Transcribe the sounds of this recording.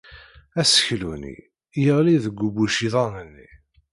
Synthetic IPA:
æsə̥çlunḭ | jəʁliðəɡʷːubuʃiðˤɑnənːḭ

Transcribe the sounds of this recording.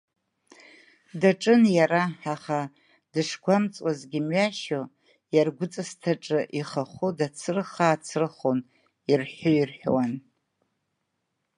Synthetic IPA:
daʈ͡ʂʼɨnjaɾaaχa | dɨʂɡʷamt͡sʼwazɡʲɪmɥaʃo | jarɡʷʊt͡sʼɨstʰaʈ͡ʂʼɨʔiχaχʷʊdat͡sʰɨrχaːt͡sʰɨrɨχon | irħoirħᶣwan

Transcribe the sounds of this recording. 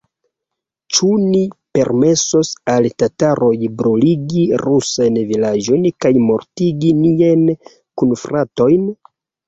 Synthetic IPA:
t͡ʃunipe̞ɾme̞so̞saltataɾo̞jbɾuliɡiɾusajnvilad͡ʒo̞jnkajmo̞ɾtiɡinian | kunfɾʔato̞jn

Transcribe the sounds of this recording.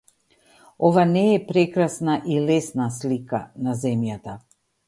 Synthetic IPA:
ɔvanɛːpɾɛkɾasnaʔilɛsnaslika̰nazɛmjat̪a

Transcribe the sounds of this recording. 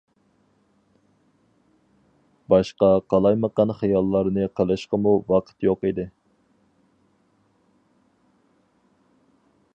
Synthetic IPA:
bɑʃqɑqʰɑlˠɑjməqɑnχɑjɑlˠːɑɾnɨqʰɑlˠɨʃqəmuwɑqʰə̥t̪joqid̪ɪ

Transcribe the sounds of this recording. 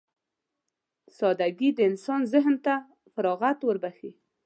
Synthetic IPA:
sɑd̪aɡid̪əɪnsɑnzɪɦnt̪a | faɾɑɣat̪wəɾbaxi

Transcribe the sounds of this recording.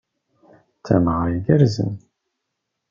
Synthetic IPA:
t͡sːæ̰mʁajɡəɾzə̰n

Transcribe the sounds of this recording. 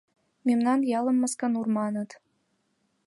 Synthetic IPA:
memnɑnjɑlə̆mːəskə̆nurmɑnət̪

